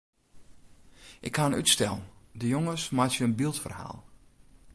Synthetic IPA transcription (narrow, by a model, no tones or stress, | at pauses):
ʔɪkhaənytstɛlˠn̩dəjoŋəsmatjəənbilˠtfərha̰ːlˠ